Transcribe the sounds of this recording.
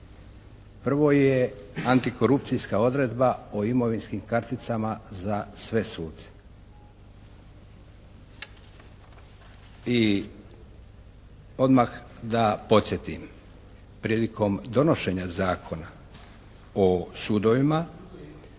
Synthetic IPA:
pr̩ʋo̞jeant̪iko̞ɾupt̪sijskao̞d̪ɾe̞d̪baoimo̞ʋinskimkaɾt̪it̪samazasʋe̞suːt̪se̥ | i | o̞d̪maxd̪apo̞t̪sje̞t̪im | pɾiːliko̞md̪o̞no̞ʃe̞ɲazaːkʰo̞na | osud̪o̞ʋima

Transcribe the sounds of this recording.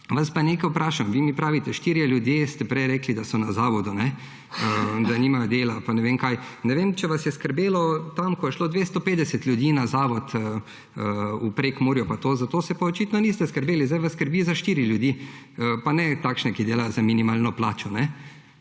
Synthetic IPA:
ʋaspaneːkajupɾʔaːʃamʋimipɾaːʋit̪ɛʃt̪iːɾjɛljud̪jest̪ɛpɾɛjɾɛːklid̪asɔnazaːʋɔd̪unɛ | əzaniːmajɔd̪eːlapanɛʋemkajnɛʋemt͡ʃɛʋasjɛskəɾbeːlɔt̪amkɔjɛʃloːd̪ʋeːst̪ɔpeːd̪ɛsɛt̪lʲjud̪iːnazaːʋɔt̪ | əupɾekmoːɾjɔpat̪oːzat̪oːsɛpaɔt͡ʃit̪nɔnist̪ɛskəɾbeːlizd̪ajʋasskəɾbizaʃt̪iːɾiljud̪iːəpanɛt̪aːkʃnɛkid̪eːlajzaminimaːlnɔplaːt͡ʃɔnɛ

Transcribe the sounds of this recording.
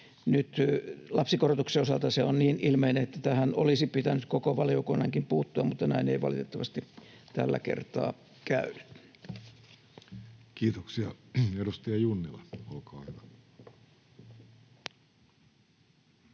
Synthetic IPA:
nyt̪lɑpsikorot̪ukseosɑlt̪ɑseonniːnilmeineet̪ːæt̪æhænolisipit̪ænyt̪kokoʋɑliokunːɑŋkimpuːt̪ːuɑmut̪ːɑnæineiʋɑ̰lit̪et̪ːɑʋɑst̪it̪ælːæ̰kḛrt̪ɑ̰ː | kæyny̥t̪ | kiːt̪oksiɑedust̪iɑjunːileolkɑːhyʋæ

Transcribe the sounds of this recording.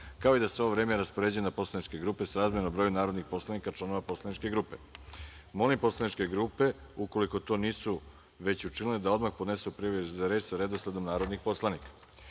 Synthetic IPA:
kaoid̪aseo̞ʋoʋɾeːmeeɾaspoɾe̞ːd͡ʑujenapo̞slˠanit͡ʃke̞ɡɾuːpe̞sɾaːzmjenombɾo̞junaːɾo̞d̪nixpo̞slˠanikat͡ʃlˠano̞ʋapo̞slˠanit͡ʃke̞ɡɾuːpe̞ | mo̞limpo̞slˠanit͡ʃke̞ɡɾupe̞uko̞liko̞t̪o̞niːsu | ʋe̞t͡ɕut͡ʃinlined̪ao̞d̪maxpod̪ne̞supɾiʋeɾet͡ɕsaɾed̪osled̪omnaːɾo̞d̪nixpo̞slˠanikḁ

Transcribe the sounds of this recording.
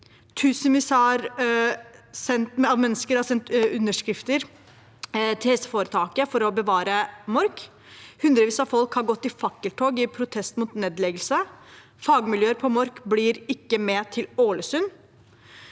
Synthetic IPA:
t̪ʰʉːsənʋɪsɑɾ | sɛnt̪mɑʋmɛnːəskəɾhɑsɛnt̪ʉnːəʂkɾɪft̪əɾ | t̪ʰɪhɛsəfoːɾət̪ʰɑːkəfɔɾɔbəʋɑːɾəmɔɾk | hʉnd̪ɾəʋiːsɑfɔlkhɑɾɡɔt̪ːɪfɑkːəlt̪ʰoːɡɪpʰɾʊt̪ʰɛst̪mut̪neːd̪lɛɡəlsə | fɑːɡmɪljøːəɾpʰɔmɔɾkblɪɾɪkːəmɛːt̪ʰɪloːləsʉn

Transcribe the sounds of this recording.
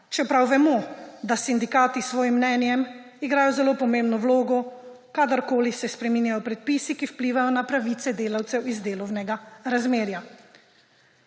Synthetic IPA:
t͡ʃɛpɾawʋɛmɔd̪asind̪ikaːt̪isʋɔːjimːnɛːnjɛm | iɡɾaːjɔzɛloːpɔmẽmbnɔwloːɡɔ | kad̪aɾkoːlisɛspɾɛmiːnjajɔpɾɛt̪̚piːsikiwpliːʋajɔnapɾaʋiːt̪sɛd̪eːlawt̪sɛwizd̪eːlɔwnɛɡaɾazmeːɾja

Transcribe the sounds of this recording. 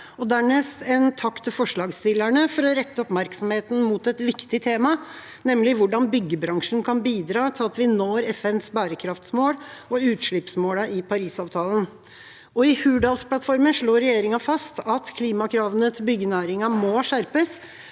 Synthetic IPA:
ɔd̪æːɳɛst̪ɛnt̪ʰɑkt̪ʰːɪlfɔʂɭɑːɡst̪ɪlæɳəfɔɾɔɾɛt̪ːəɔpmæɾksɔmheːt̪n̩muːt̪ɛt̪ʋɪkt̪ɪt̪ʰeːmɑ | nɛmlɪʋʊɖɑnbʏɡːəbɾɑŋʂn̩kʰɑnbiːd̪ɾɑːt̪ʰɪlɑt̪ʋɪnoːɾɛfɛnsbæːɾəkʰɾɑft̪smoːɽɔʉːt̪ʂɭɪpsmoːləʔɪpʰɑɾiːsɑːʋt̪ʰɑːlən | ɔɪhʉːɖɑːlspʰlɑt̪fɔɾməʂɭoːɾɛjeːɾɪŋɑfɑst̪ɑt̪kʰliːmɑkʰɾɑːʋənət̪ʰɪlbʏɡːənæːɾɪŋɑmɔʂæɾpəs

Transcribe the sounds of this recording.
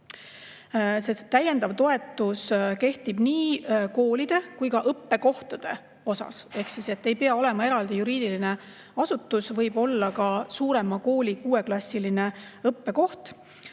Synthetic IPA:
se̞st̪ːæje̞nd̪ɑvt̪o̞e̞t̪ːˑuske̞ht̪ib̥niːko̞ːlid̪̥e̞kujkɑʔɤpːe̞ko̞ht̪ɑd̪̥e̞ | o̞sɑ̰se̞hksise̞t̪ːe̞jpeɑo̞le̞mɑe̞ɾɑld̪̥ijuɾiːd̪̥iline̞ | ɑsut̪ːˑusvɤjbo̞lːɑkɑsuːɾe̞mɑko̞ːlʲikuːwe̞klɑsːiline̞ɤpːe̞ko̞ht̪

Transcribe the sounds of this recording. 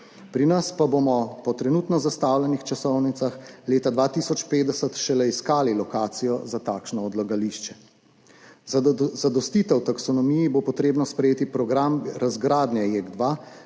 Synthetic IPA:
pɾinɐspabomɔpɔt̪ɾɛnuːt̪nɔzast̪aːwlɛnixt͡ʃasɔwnit̪saxleːt̪ad̪ʋaːt̪isɔt͡ʃpeːd̪ɛsət̪ʃɛlɛiskaːlilɔkaːt̪sijɔzat̪aːkʃnɔɔd̪laɡaliːʃt͡ʃɛ | zad̪ɔst̪iːt̪ɛwt̪aksɔnɔmijibopɔt̪ɾeːbnɔspɾɛjeːt̪ipɾɔɡɾamɾazɡɾaːd̪nɛjeɡd̪ʋa

